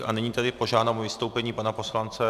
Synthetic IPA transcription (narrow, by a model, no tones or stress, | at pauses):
anɛɲiːt̪adɪpoʒaːdnaːmuvɪst̪o̞wpɛɲiːpanapo̞slant͡sɛ